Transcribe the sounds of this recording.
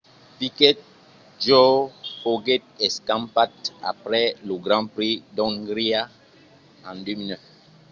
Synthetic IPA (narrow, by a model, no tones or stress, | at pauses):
pikɛt̚ | d͡ʒofoɡɛt̚ɛskãmpat̚a̰pɾɛləɡɾɑ̃pɾidɔ̃ŋɡɾia | ãndøminəf